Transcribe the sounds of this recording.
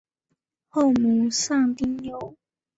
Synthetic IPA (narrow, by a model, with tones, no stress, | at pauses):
ho˥˨˩ʊmu˨˦sa˥˧ŋt̪i˥ŋjo˨˩ʊ